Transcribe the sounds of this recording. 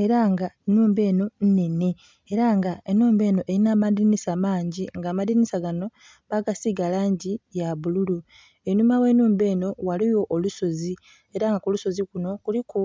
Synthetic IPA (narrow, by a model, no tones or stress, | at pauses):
e̞ɾaŋɡaenuːmbe̞ːno̞n̩ne̞ne̞ː | ɾaŋɡaenuːmbe̞ːno̞ʔeɾinaːmaðinisamaːɲɟiŋɡaːmadinisaɡano̞ | βaɡasiɡalaːɲɟijaβululu | enumawe̞nuːmbe̞ːno̞waliwo̞ʔoluso̞zi | e̞ɾaŋɡakuluso̞zikuno̞kuliku